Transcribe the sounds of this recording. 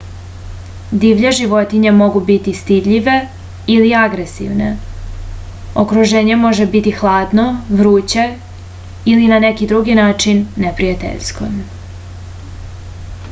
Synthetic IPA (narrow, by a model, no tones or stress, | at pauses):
d̪iʋʎeʒiʋo̞t̪iɲemo̞ɡubit̪ist̪id̪ʎiʋe̞ | iliaɡɾesḭʋnḛ | okɾuʒe̞ːɲe̞mo̞ʒebit̪ixlˠaːd̪no̞ʋɾuːt͡ɕe | ilinanekid̪ɾuɡinaːt͡ʃinːepɾijat̪ḛʎsko̰m